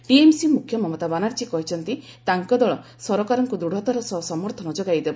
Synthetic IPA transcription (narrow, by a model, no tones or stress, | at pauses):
ʈiemsimukʰjɔmɔmɔt̪abanaɾt͡ʃikɔɦit͡ʃʰɔnt̪i | t̪aŋkɔd̪ɔɭɔ | sɔɾɔkaɾɔŋkud̪uɽʱɔt̪ɔɾɔsɔɦsɔmɔɾt̪ʰɔnɔd͡ʒɔɡajd̪ebɔ